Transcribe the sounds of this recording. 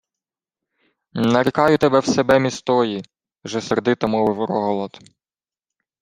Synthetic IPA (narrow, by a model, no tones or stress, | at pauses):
nɐɾʲikɑjʊt̪ebɛwsebɛmʲist̪ɔji | ʒɛserd̪ɪt̪ɐmɔʋɪwɾɔɦɔlˠɔt̪